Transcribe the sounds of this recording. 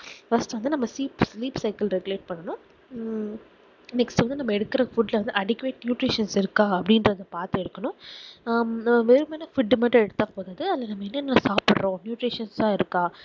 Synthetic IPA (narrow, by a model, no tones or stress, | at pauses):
fɐsʈɯʋɐnd̪ɯnɐmːɐsiːpsliːpsɐɪkɐlɾɛɡʊleːʈ̚pɐɳːɐnʊ̃ | nɛksʈʋɐnd̪ɯnɐmːɐɛɽɯkːɪɾɐfʊɖlɐʋɐnd̪ɯɐɽɪkːʋeːʈnjuːʈɾiːʂɐnsɪɾɯkːãːɐpːɐɽɪndɾɐðɐpaːɾt̪ɯɛɽɯkːɐnʊ̃ | nːʋeːɾɯmenːɐfʊɖːmɐːʈrɐ̃ɛɽɯt̪ːãːpoːðaːðɯɐðlːɐnɐmːɐɛnːɐnːɐnɐsaːpɪɽɾõːnjuːʈɾiːʂɐnsaːɪɾɯkːãː